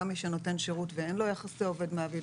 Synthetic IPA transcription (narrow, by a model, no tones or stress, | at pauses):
miʃeno̞te̞nʃeʁutveenlo̞jaχaseo̞ve̞dmeavi